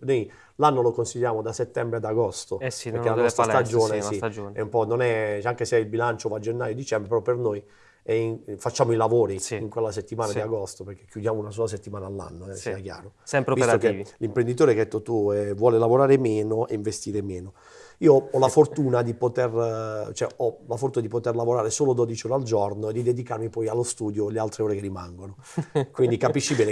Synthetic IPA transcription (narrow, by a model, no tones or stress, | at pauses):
noj | lanːolokonsiʎːjaːmod̪aset̪ːɛmbɾead̪aɡɔst̪oeɾkːelanɔst̪ɾasad͡ʒoːnesiɛumpɔnonɛt͡ʃɛaŋkeseɛilbilant͡ʃovad͡ʒenːaːjod̪it͡ʃɛmbɾepeɾɔpːernoj | ɛfat͡ʃːaːmoilavoːɾiiŋkwelːaset̪ːimaːnaiaɡost̪opeɾk̟ekːjud̪jaːmounas̬oːlas̬et̪ːimaːnalːa̰nːoɛsiːakja̰ːɾosɛmpɾvist̪okelimpɾend̪it̪oːɾekead̪ɛt̪ːot̪uɛvwɔːlelavoɾaːɾemeːnoʔeiɱvest̪iːɾemeːno | iːoɔlafort̪uːnad̪ipot̪ert͡ʃoɛɔlafort̪uːnad̪ipot̪erlavoɾaːɾesoːlod̪ɔd̪it͡ʃioːɾald͡ʒɔrnoed̪ːid̪ed̪ikarmipɔjalːost̪uːd̪jolealt̪ɾeoːɾekerːima̰ŋɡono | kwind̪ikapiʃːibɛːne